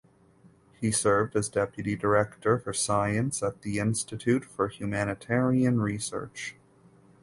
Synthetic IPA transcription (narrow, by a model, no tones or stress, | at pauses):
hisɜ˞vdɨzdɛpjɨɾidə˞ɛktʰə˞fə˞saɪɨ̃nsət̪̚ðiɪ̃nstɨtʰʉtfə˞hjʉmænɨtʰɛɹiɨ̃nɹisɜ̰˞t͡ʃ